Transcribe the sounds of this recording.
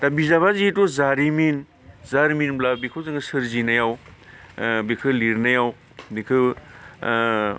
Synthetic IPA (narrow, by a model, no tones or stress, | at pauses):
tabizaβazitozaɾimin | zaɾiminblabikʰɯzɯŋɯsɯɾzinajaw | bikʰɯliɾnajaw | bikʰɯ